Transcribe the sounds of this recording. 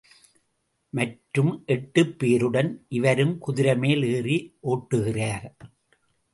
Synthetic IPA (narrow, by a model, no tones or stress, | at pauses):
mɐʈɾɯmʔɛʈːɯpːeːɾɯɽɐnʔɪʋɐɾɯmkʊðɪɾɐmeːleːriʔoːʈːɯɣɪraː